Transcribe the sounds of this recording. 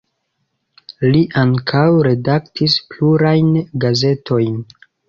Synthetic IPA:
liʔaŋkʰawɾe̞daktispluɾajnɡaze̞tʰo̞jn

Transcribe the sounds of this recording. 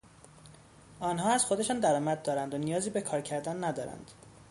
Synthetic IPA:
ɒːnɦɒːæz̥xo̞d̪e̞ʃɒːnd̪æɾɒːmæd̪̚d̪ɒːɾænd̪onijɒːziːbekʰɒːɾcʰæɾd̪ænːæd̪ɒːɾæ̰nd̪̥

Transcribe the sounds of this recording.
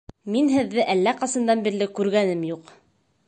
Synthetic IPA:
minɦɘ̆ðːɘʔælːæqɑsɤ̆nd̪ɑnbiɾlɘkʉɾɡænɘmjuq

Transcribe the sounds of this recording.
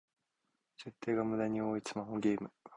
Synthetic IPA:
se̞t̪ːe̞ːɡamɯ̟d̪aɲ̟ioːisɨmaɦoɡʲeːmɯ̟

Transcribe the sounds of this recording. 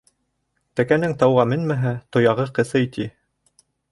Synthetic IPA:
t̪ækænɘŋt̪ɑwʁɑmɘnmæɦæt̪ŏjɑʁɤqɤ̆sɤit̪i

